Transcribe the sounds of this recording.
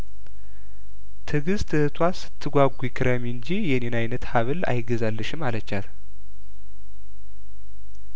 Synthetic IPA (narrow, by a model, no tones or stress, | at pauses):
t̪ʰɨɡɨzt̪ʰɨhɨt̪ʰwasɨ̥t̪ʰːɨɡʷaɡʷuikʰɨɾəmiɨnd͡ʒijɛnenajnət̪haβɨla̰jɡəzalːɨʃɪmalət͡ʃːat̪